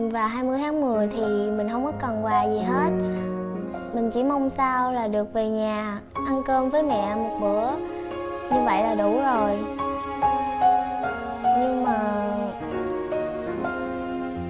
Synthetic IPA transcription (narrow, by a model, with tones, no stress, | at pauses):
vaː˨˩ɦaː˧jmɨ˧əjt̪ʰaː˨˦ŋmɨ˨˩əjt̪ʰi˨˩mï˨˩ŋ̟hə˧wŋ͡mkɔ˨˦˥kə˨˩nkwaː˨˩zi˨˩ɦe˦˥t̚ | mï˨˩ŋ̟t͡ɕi˧˩˥ma˧wŋ͡msaː˧wlaː˨˩ɗɨ˨˩ək̚ve˨˩ɲaː˨˩ | ʔa˧nkəː˧mvəː˨˦jmɛ̰˧˨mo˨˩t̚ɓɨ˧˩˦ə | ɲɨ˧ŋvə̰˧˨jlaː˨˩ɗu˧˩zo˨˩j | ɲɨ˧ŋmaː˨˩